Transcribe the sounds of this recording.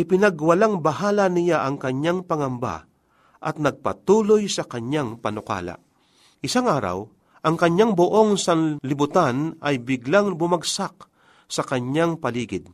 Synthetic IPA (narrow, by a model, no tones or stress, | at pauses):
ʔɪpɪnɐɡwɐlaŋbɐɦaːlanɪjaʔɐŋkɐɲːaŋpɐŋɐmba̰ | ʔɐ̰t̪̚nɐɡ̚pɐ̰t̪uːlojsɐkɐɲjaŋpɐnʊka̰ːla̰ | ʔɪsaŋʔaːɾa̰w | ʔɐŋkɐɲaŋboʔo̞ŋsaŋlɪbʊt̪anɐjbɪɡlaŋbʊmaɡsak̚ | sɐkɐɲaŋpɐliːɡɪd̪̚